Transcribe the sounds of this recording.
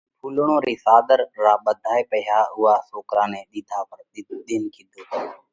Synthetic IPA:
pʰuːlɳ̃õːɾiːsaːd̪əɾːaːɓəd̪ʱaːeːpəɦjaːʊɦaːsoːkɾãːneːɗ̪ɪːd̪ʰʱaːpəɾɗ̪ɪnkiːd̪ʱoː

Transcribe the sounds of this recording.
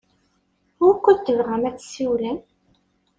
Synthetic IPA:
ʊɾkʷːət̪ːəvʁæmæt͡sːsiwlən

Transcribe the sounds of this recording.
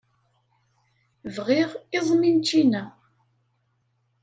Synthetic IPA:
vʁiʁɪðˤmint͡ʃːinæ

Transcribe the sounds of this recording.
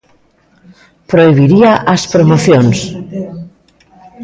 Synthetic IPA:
pɾoiβ̞iɾiaʔaspɾomoθjons

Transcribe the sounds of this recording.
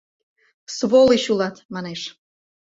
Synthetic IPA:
sβoliɕulɑt̪mɑneʃ

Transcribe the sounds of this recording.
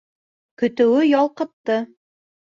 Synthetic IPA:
kɵ̆t̪ɵ̆wɘjɒlˠqɤ̆t̪ːɤ

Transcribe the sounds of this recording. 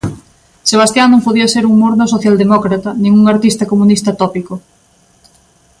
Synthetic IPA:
seβ̞ast̪janõmpoðiɐseɾuŋmoɾnosoθjald̪emɔkɾat̪ɐnĩŋuŋaɾt̪ist̪ɐkomunist̪ɐt̪ɔpiko

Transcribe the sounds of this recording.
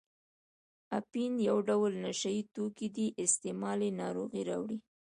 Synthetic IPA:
apinjawɖawlnaʃajit̪okid̪iʔɪst̪emɑlenɑɾoɣiɾɑwɽi

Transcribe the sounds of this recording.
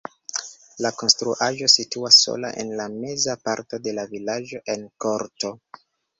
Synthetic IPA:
lako̞nstɾuʔaʒo̞situasːo̰la̰ʔḛnlame̞zapaɾto̞de̞lavilad͡ʒo̞ʔe̞nkoɾto̞

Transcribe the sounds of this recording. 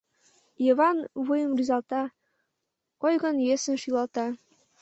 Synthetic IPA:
iβɑnβujəmryzɑlt̪ɑ | kojɣənjesənʃylɑlt̪ɑ

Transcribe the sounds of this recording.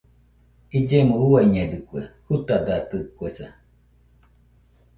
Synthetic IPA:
id͡ʒemuuwaiɲed̪ɨkʷḛhut̪ad̪at̪ɨkwesa̰

